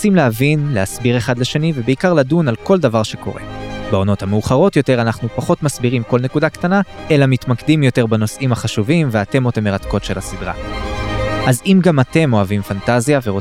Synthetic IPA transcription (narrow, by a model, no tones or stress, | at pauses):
t͡simleavinleasbiʁe̞χadleʃe̞nive̞beikaʁladunalko̞ldavaʁʃe̞ko̞̰ʁe̞̰beo̞no̞thameuχaʁo̞tjo̞te̞ʁanaχnupaχo̞tmasbiʁimko̞lne̞kudakt̪anaʔe̞lamitmakdimjo̞te̞ʁbano̞sʔimhaχaʃuvimve̞ate̞mo̞t̪ame̞ʁatko̞tʃe̞lasidʁa̰ | ʔazimɡamate̞mo̞avimfantazjaveʁo